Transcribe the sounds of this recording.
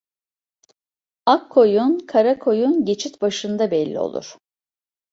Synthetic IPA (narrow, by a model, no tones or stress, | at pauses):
akʰːo̞junkʰaɾakʰo̞junɟe̞t͡ʃʰit̪baʃɯnd̪abɛlʲːḭo̞̰lˠṵɾ̥